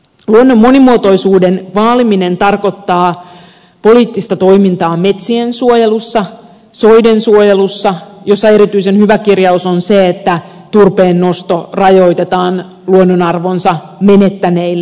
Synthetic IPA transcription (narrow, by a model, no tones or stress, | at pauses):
luonːomːo̞nimuot̪ojsuːdenʋɑːliminent̪ɑrkot̪ːɑː | po̞liːt̪ːist̪ɑt̪o̞imint̪ɑːmet̪siensuojelusːɑ | soidensuojelusːɑjo̞sːɑe̞ɾit̪yisenhyʋækirjɑusonseːt̪ːæ | t̪urpeːnːost̪orɑjojt̪et̪ɑːn | luonːonɑrʋonsɑ | menet̪ːæneilː